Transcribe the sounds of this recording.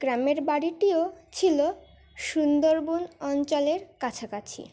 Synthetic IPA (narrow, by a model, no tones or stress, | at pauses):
ɡ̥ɾameɾbaɽiʈiot͡ɕʰilo | ʃund̪oɾbunɔnt͡ɕɔleɾkat͡ɕʰakat͡ɕʰḭ